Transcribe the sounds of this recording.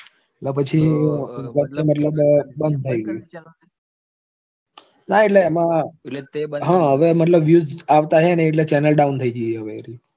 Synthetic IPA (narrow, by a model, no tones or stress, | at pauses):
lapət͡ʃʰikəemət̪ləbbənd̪̚t̪ʰəiɡəi | naeʈ̬leːmã | ɦãɦəʋemət̪ləbʋjuzaʋt̪aɦeneːʈ̬let͡ʃɛnəlɖaunt̪ʰəid͡ʒijeɦəʋeɾi